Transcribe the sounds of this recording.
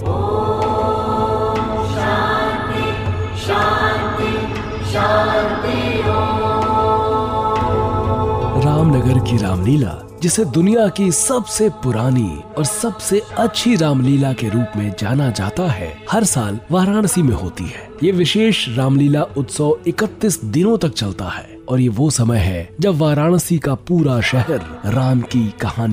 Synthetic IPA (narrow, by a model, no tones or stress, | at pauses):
at̪i | at̪eo | ɾaːmnɐɡəɾkiɾa̰ːmliːla̰ | d͡ʒɪsed̪ʊnijakisɐbsepʊɾaːnḭɔːɾsɐbseɐtːʃʰiɾaːmliːlakeɾuːpmẽd͡ʒaːnad͡ʒa̰ːt̪aɦɛ̰ːhɐɾsaːlʋaːɾaːɽ̃simẽɦo̰ːt̪ḭɦɛːjeːʋɪʃeːʃɾaːmliːlaʊt̪sɔːɪkət̪ːisd̪ɪnõt̪ɐk̚t͡ʃɐlt̪a̰hɛː | ɔːɾjeʋoːsɐməjɦɛd͡ʒɐbʋaːɾaːɽ̃sikapuːɾaʃɛɦɛɾɾaːnkikɐhaːni